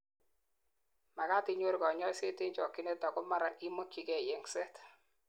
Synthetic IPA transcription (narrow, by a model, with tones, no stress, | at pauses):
ma˨ka˦ti˦ɲo˦ɾkɔ˨ɲɔ˦se˦te˦ɲt͡ʃɔ˨kːi˦ne˦tɔ˨kɔ˦ma˦ɾa˨i˦mo˦kːi˨kɛ˨jɛ˨ŋsɛ˦t